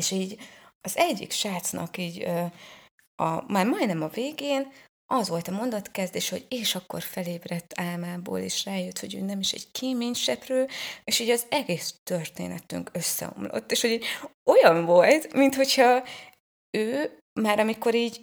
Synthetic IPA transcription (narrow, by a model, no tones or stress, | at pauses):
eːʃiːɟɒzɛɟːḭkʃaːt̪snɒ̰kiːɟ | ɒ̰maːrmɒj̪nɛmɒveːɡeːn | ʔɒzʋo̞lt̪ɒmo̞nd̪ɒt̪kɛzd̪eːʃɛhoɟeːʃɒkːo̞̰rfɛleːbrɛt̪ːaːlmaːbo̰ːlḛːʃraːjøt̪ho̞ɟø̰ːnɛmiʃɛ̰ɟ̥kʰeːmeːɲʃɛprøːeːʃiːɟɒzɛɡeːst̪ø̞rt̪ḛːnɛt̪y̰ŋkø̞sːɛ̰o̰mlo̰t̪ːeːʃho̞ɟiːo̞jɒɱvo̞lt̪mint̪ho̞chɒ | øː | maːɾɒmiko̞ɾiːɟ